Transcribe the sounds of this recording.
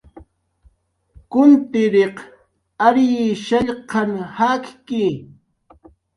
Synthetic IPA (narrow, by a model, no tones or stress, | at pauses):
kʊnt̪ɪɾeq | aɾjɪʃaʎqɑnhakkɪ